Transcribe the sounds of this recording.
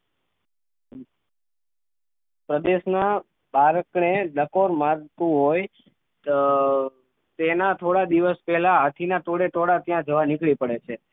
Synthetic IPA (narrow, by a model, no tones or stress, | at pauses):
pɾəd̪eʃna | baɾəkned̪əkoɾmaɾt̪ũɦoj | t̪enat̪ʰoɽad̪iʋəspɛɦlaɦat̪ʰinat̪oɽet̪oɽat̪jãd͡ʒəʋanikɭipəɽet͡ʃʰe